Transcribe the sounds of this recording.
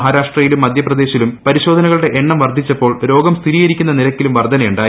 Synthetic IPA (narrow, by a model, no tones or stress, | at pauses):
ɦaːɾaːʂʈrɐjilumːɐd̪ʱjɐprɐd̪e̞ːɕilumpɐɾiɕoːd̪ʱɐnɐɣɐɭɽe̞ʔeɳːɐmʋɐrd̪ʱit͡ɕːɐpːo̞ːɭɾo̞ːɡɐmst̪ʰiɾiːjɐɾikʲːunːɐnilɐkʲːilumʋɐrd̪ʱɐnɐjuɳɖaː